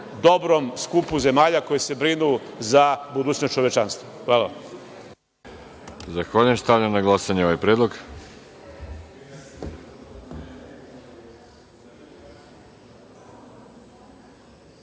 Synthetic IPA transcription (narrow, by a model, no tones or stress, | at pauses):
d̪o̞bɾomskupuze̞maːʎako̞jese̞bɾinuzabud̪uːt͡ɕnot͡ʃoʋe̞t͡ʃanst̪ʋoxʋaːlaam | zaxʋaʎujest̪aʋʎɲamnaɡlˠasaɲeoʋajpɾeːd̪lˠoɡ